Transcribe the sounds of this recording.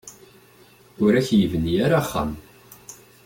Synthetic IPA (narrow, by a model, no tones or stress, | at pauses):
ʊɾæçjəvənijaɾaχːa̰m